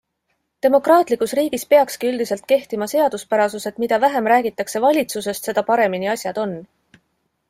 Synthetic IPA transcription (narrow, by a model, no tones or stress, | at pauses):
t̪e̞mo̞krɑːt̪ˑlikːˑusriːɡ̥ispeɑkskiyld̪ise̞lt̪̚ke̞ht̪imɑse̞ɑd̪̥uspæɾɑsuse̞t̪mid̪̥ɑvæɦemɾæːɡ̥it̪ːˑɑkse̞vɑlʲit̪suse̞st̪se̞d̪ɑpɑɾe̞miniɑsʲjɑd̪̥o̞nː